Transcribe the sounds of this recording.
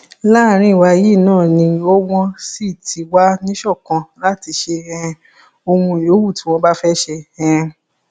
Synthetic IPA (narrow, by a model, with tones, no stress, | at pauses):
la˦˨ɾ̃ĩ˦˨wa˧ji˦˨nãː˦˨nĩ˧o˦w̃ɔ̃˦si˦˨tʰi˨˦wa˦nĩ˦ʃɔ˦˨kã˧la˦ti˧ʃe˧ɛ̃˧ | o˧mũ˧˨jo˨˦wu˦˨ti˨˦w̃ɔ̃˧ba˦fɛ˦ʃe˧ɛ̃˧